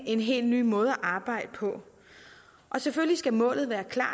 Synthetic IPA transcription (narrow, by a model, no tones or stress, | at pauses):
e̝nɦe̝̰ːld̥ny̰ːmɔ̽ːð̞̩ˠæʔɑ̈ːb̥ɑ̈ɪ̰d̥əpʰɒ̽ | ʔɒ̽seføllisɡ̥æmɔ̰̽ːlð̩ˠʋæːɐkʰlɑ̰̈ː